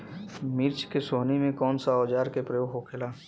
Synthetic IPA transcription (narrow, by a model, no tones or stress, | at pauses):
mɪɾt͡ʃkesoːnimẽkɔːnsaɔːd͡ʒaːɾkepɾəjoːɡʱɦokʰelaː